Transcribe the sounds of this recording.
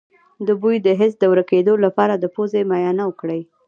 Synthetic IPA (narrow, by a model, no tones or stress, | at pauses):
d̪əbujd̪əɦɪsd̪əwɾəked̪olapɑɾad̪əpozemajɑnawəkɽəj